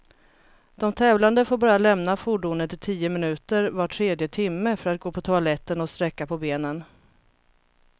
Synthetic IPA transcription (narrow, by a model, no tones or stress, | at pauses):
d̪̥ɔmt̪ʰɛːvland̪əfoːɾbɑɾjalɛmnafʊɖuːnənt̪ɪlt̪ʰiːəmɪnʉ̟ːt̪əɾvaʈʰːɾeːd̪jət̪ʰɪmːəfœɾat̪̚ɡoːpʰɔt̪ʰʊalɛt̪ːənɔst̪ɾɛkːapʰɔbeːnən